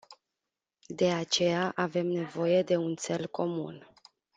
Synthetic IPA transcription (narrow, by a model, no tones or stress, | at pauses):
d̪e̞at͡ʃe̞jaʔave̞mne̞vo̞je̞d̪e̞unt̪se̞lkʰo̞mṵn